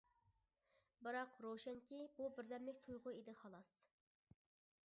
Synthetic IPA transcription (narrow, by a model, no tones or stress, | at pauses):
bɨɾɑqɾowʃɛŋkʲibubɪɾd̪ɛmlɪk̚ʲt̪ʰujʁʊid̪ɪχɑlˠɑs